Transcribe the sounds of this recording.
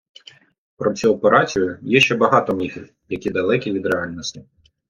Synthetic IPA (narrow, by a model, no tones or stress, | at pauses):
pɾɔt͡sʲiɔpeɾʔɑt͡sʲijʊjɛʃt͡ʃɛbɐɦɑt̪ɔmnʲixʲɪw | jɐkʲid̪ɐlˠɛkʲiʋʲid̪ɾeɑlʲnɔsʲtʲɪ